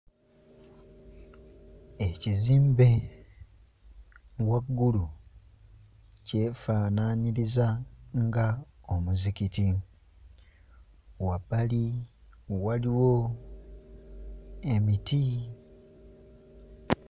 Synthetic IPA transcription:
eciziːmbe̞ | waɡːulu | ce̞faːnaɲiɾizaŋɡaomuzikiti | wabali | waliwo̞ | emiti

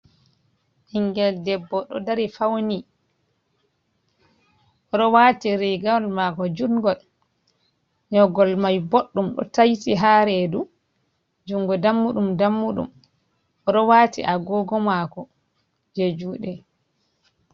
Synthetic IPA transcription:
ʔiŋɡɛldɛbːɔɗɔ̰daɾifawni | ʔɔɗɔwaːtiɾiɡalmakɔd͡ʒuŋɡɔl | ɲɔɡɔlmajboɗːumɗɔ̰tajtiɦaɾɛdu | d͡ʒuŋɡɔdamːuɗumdamːuɗṵm | ʔɔɗɔwatḭʔaɡɔɡɔmakɔ | d͡ʒed͡ʒuɗɛ

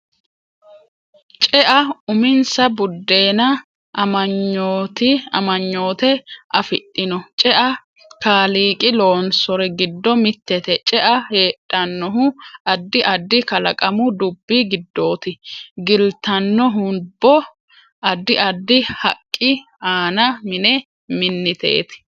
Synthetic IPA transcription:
t͡ʃʼɛʔɐʊmɪnsɐbʊd̪ːe̞ːnɐ | ʔɐmɐɲːoːt̪ɪɐ̰mɐɲːo̞ːt̪ɛʔɐfɪtʼːɪnɔt͡ʃʼɛʔɐ | kaːliːkʼɪlo̞ːnsɔɾɛɡɪd̪ːɔmɪt̪ːɛt̪ɛt͡ʃʼɛʔɐheːtʼːɐnːɔɦʊɐd̪ːɪʔɐd̪ːɪkɐlɐkʼɐmʊd̪ʊbːɪɡɪd̪ːo̞ːt̪ɪɡɪlt̪ɐnːɔɦʊbːɔ | ɐd̪ːɪʔɐd̪ːɪhɐkʼːɪ | aːnɐmɪnɛ | mɪnːɪt̪ḛːt̪ɪ̥

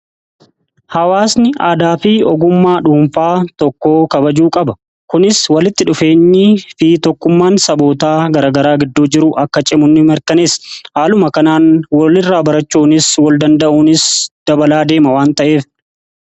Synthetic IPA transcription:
hɐwaːsnɪʔaːd̪aːfiɔɡʊmːaːᶑuːɱfaːt̪ɔkːo̞ːkɐbɐd͡ʒuːkʼɐbɐ | kʊnɪswɐlɪt̪ːɪᶑʊfe̞ːɲːɪfɪt̪ɔkːʊmːaːnsɐbo̞ːt̪aːɡɐɾaːɡɐɾaːɡɪd̪ːuːd͡ʒɪɾʊʔɐkːɐt͡ʃʼɪmʊnːɪmɛɾkɐneːshaːlʊmɐkɐnaːnwɐlɪrːaːbɐɾɐt͡ʃːuːnɪswɐld̪ɐnd̪ɐʔuːnɪsd̪̥ɐbɐlaːd̪e̞ːmɐwaːnt̪ɐʔe̞ːf

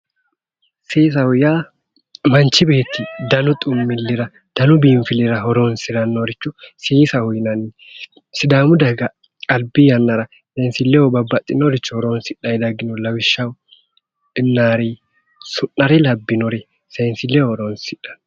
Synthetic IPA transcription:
seːs̬ɐhʊjaː | mɐnt͡ʃːɪbe̞ːt̪ːɪd̪ɐnʊt̪ʼʊmːɪlːɪɾɐ | d̪̥ɐnʊbiːɱfɪlɪɾɐhɔɾonsɪɾɐnːoɾɪt͡ʃːʊsiːsɐhʊjnɐn | sɪd̪aːmʊd̪ɐɡɐ | kʼɐlbɪjɐnːɐɾɐ | sensɪlːɛwɔbɐbːɐt̪ʼːɪnɔɾɪt͡ʃːʊhɔɾoːnsɪᶑːɐjd̪ɐɡɪnɔlɐwɪʃːɐw | ɪnːaːɾiː | sʊnːɐɾɛlɐbːɪnɔɾɛ | sensɪlːɛwhɔɾoːnsɪᶑɐ̥n

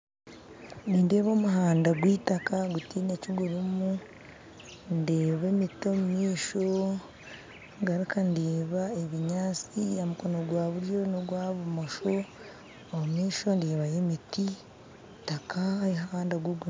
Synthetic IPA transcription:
niːndeːβo̞ːmuɦaːndaɡwiːtakaɡutiːne̞ciɡuɾumu | ndeːβemito̞mumiːʃo | ɡaɾikandeːβaeβiɲaːt͡sijamukonoɡwaːβuɾjo̞noɡwaːβumoʃo̞ː | mumiːʃo̞ndeːβajemiti | takaeɦaːndaɡwuɡu

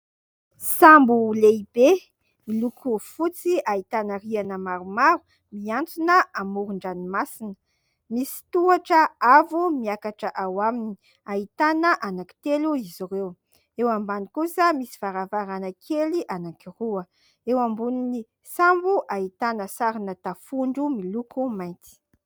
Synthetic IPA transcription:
sambuleibe | milukʰufut͡siait̪anərianəmaɾumaɾu | miant͡sunəamuɾuɳɖ͡ʐanimasinə̥ | misi̥t̪uaʈ͡ʂəavumiakaʈ͡ʂəʔawamini | ait̪anəʔanaki̥t̪eluiziɾew | ewambanikusəmisi̥v̥aɾavaɾanəkʰeliʔanakiruə | ewambunini | sambuʔait̪anəsaɾinət̪afuɳɖ͡ʐumilukumajnt̪i̥

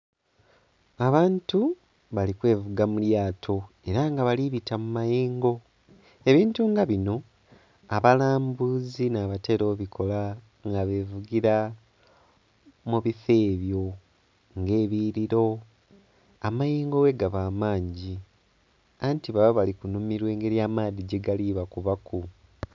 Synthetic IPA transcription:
aβaːntu | βalikwe̞ːvuɡamuljaːtʰo̞ | e̞ɾaŋɡaβaliβitamumajeːŋɡo̞ | e̞βiːntuŋɡaβino̞ | aβalaːmbuzinaβate̞ɾo̞βikʰo̞la | ŋɡaβe̞ːvuɡiɾa | muβife̞ːβjo̞ | ŋɡe̞ːβiːɾiɾo̞ | amajeːŋɡowe̞ɡaβaːmaːɲɟi | antiβaβaβalikunumiɾwe̞ːŋɡe̞ɾjaːmaːðiɟeɡaliːβakuβaku

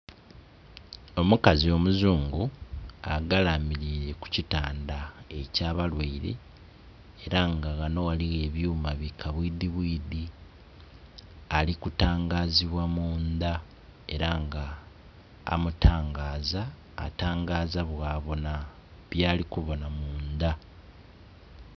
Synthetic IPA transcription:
o̞mukazio̞muzuːŋɡua̰ɡalamiɾiːɾe̞ku̥citaːndae̞caːβalweiɾe̞̰ː | ɾaŋɡaɣano̞waliɣe̞βjuːmaβikʰaβwiːd̪iβwiːd̪i | alikutaːŋɡaːziβwamuːnd̪a | e̞ɾaŋɡa̰ː | mutʰaːŋɡaːza̰ː | taːŋɡaːzaβwaːβo̞na | βjaːlikuβo̞namuːnd̪a

